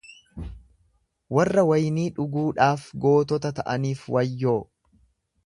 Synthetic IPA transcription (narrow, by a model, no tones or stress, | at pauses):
wɐrːɐwɐjniːᶑʊɡuːᶑaːfɡo̞ːt̪ɔt̪ɐt̪ɐʔɐniːfwɐjːo̞ː